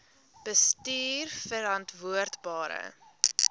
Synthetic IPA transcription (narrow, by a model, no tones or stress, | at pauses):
b̥əstyːrfəɾɐntvuərtbɑːɾə̰